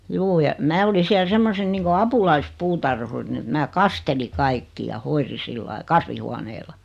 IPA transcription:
juː jɑ mæː oli siæl semːosen niːŋko ɑpulɑispuːtɑrhurin ĕt mæː kɑsteli kɑikːi jɑ hoiri silːɑi kɑsʋihuɑneːlɑ

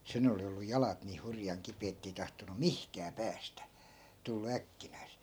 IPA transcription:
sen oli olːu jɑlɑt niː hurjɑŋ kipeː etːei tɑhtonu mihkæː pæːstæ tulːu ækːinæise̥

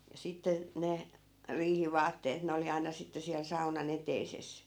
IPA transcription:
jɑ sitːe ne riːhiʋɑːtːeːt ne oli ɑinɑ sitːe siæl sɑunɑn eteises

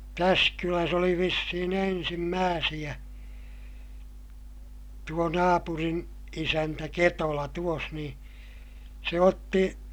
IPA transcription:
tæs kylæs oli ʋisːihin ensimːæːsij̆æ tuo nɑːpurin isæntæ ketolɑ tuos ni se otːi

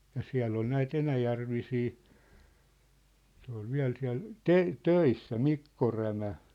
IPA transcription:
jɑ siæ̝lː ol næit enæjærʋisiː se ol ʋiæ̝l siæ̝l te tøisːæ mikːo ræmæ

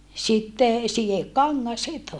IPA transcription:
sitːe sijekːɑŋːɑs sit

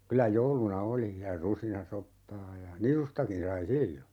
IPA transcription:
kylæ joulunɑ oli jɑ rusinɑsopːɑː jɑ nisustɑkin sɑi silːo

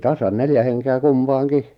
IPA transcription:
tɑsɑn neljæ henkeæ kumpɑːŋki

